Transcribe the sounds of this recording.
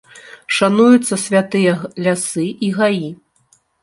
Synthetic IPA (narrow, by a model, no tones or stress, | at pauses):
ʂanujut̪sːɐsʲvʲat̪ɨjɐlʲasɨʔiɣaji